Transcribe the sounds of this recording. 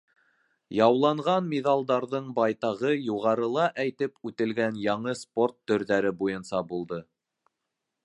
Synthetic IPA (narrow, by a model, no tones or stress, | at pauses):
jɑwlˠɑɴʁɑnmʲeðɑlˠd̪ɑɾðɤɴbɑjt̪ɑʁɤjuʁɑɾɤ̆lˠɑʔæjt̪ɘpʉt̪ɘ̆lɡænjɑɴɤsport̪ːɵ̆ɾðæɾɘbujɤ̆nsɑbulˠd̪ɤ